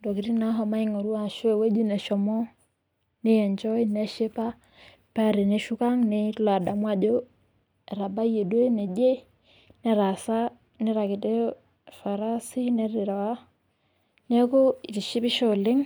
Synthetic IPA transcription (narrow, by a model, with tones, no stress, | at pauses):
do˨ki˨ɾi˦na˦ɦɔ˨ma˦i˦ŋo˨ɾu˦wa˦˨ʃo˦e˨we˦d͡ʒu˦nɛ˨ʃɔ˨mɔ˦ | ne˦jɛ˨nt͡ʃɔ˦i˦nɛ˦ʃe˦pa˦ | pa˦ɾe˨ne˦ʃu˦ka˦ŋne˦la˨da˨mwa˦d͡ʒo˦ | ɛ˨ɾa˨ba˦je˨dwe˦nɛ˨d͡ʒe˦ | nɛ˨ɾa˨sa˦ | ne˦ɾa˨ki˨de˦ | fa˨ɾa˦si˦nɛ˦ɾi˨ɾa˨wa˦ | ne˦ko˦i˨ɾi˨ʃi˦pi˦ʃo˦˨le˦ŋ